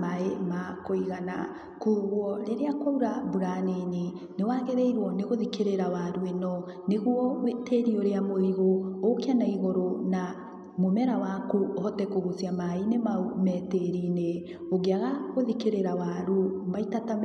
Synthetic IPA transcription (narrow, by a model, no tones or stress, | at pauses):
maemakoiɣana̰ | kuɣwɔɾeɾeakwauɾabuɾaneɲi | newaːɣeɾeiɾwɔneɣoðikeɾeɾawaɾuenɔ | neɣwɔteɾioɾeamoiɣoːkeanaiɣoɾona | momɛɾawakuhɔtɛkoɣusjamainemaumɛteɾine | oɣeaɣaɣoðikeɾeɾawaɾumaitata